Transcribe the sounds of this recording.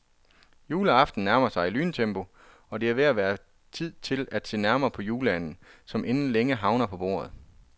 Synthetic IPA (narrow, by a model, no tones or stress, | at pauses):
juːləɑ̈fd̥n̩næɐmɐsɑ̈ɪilyːnt͡sʰemb̥o̝ | ɒ̽d̥e̝æʋe̝æʋæːɐ | t͡sʰið̞̰ˠt͡sʰe̝læd̥se̝̰ːnæɐmɐːpʰɒ̽juːləæn̰n̩sɒ̽mʔenn̩leŋəɦɑ̈ʊnɐpʰɒ̽b̥o̝̰ːɐð̩ˠ